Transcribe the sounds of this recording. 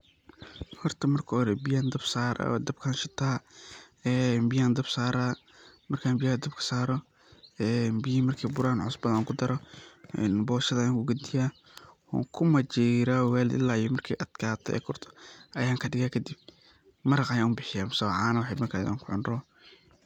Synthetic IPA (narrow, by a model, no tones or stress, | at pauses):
hɔrt̪ʰɐmɐrkʰɔhɔɾɛbɪjand̪ɐbsaːɾʔd̪ɐbkʰaːnʃɪt̪ʰaː | ɛːmbɪjaːnd̪ɐbsaːɾaː | mɐrkʰaːnbɪjad̪ɐbkʰɐ̥saːɾɔ | ɛːnbijimɐrkʰiːbʊɾaːnʕʊsbɐðɐŋkʰʊd̪ɐɾɔɛnbɔːʃɐðɐaːŋkʰʊɡɐd̪ɪjaː | hɔ̰ːŋkʰʊmɐt͡ʃɛɾawɛːlɪ̰lːaːjʊmɐrkʰḭːʔɐd̪̥kʰaːt̪ʰɔɛ̰ːkʰʊrt̪ʰɔ̥ʔɐjaːŋkʰɐɖɪɣaːkʰɐd̪ib̥̚ | mɐɾɐqɐjaːʊbɪħɪjaːmsɐʕaːnɐwɑħɑmɐkʰa̰ːɐ̰ŋkʰʊʕʊnrɔː